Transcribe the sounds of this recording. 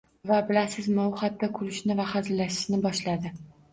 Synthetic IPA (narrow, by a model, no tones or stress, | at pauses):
vabɪlasɪzmaʊχat̪ːɒkʰʊlɪʃnɪvaχazɪlːaʃɪ̥ʃnɪbɒʃlad̪ɪ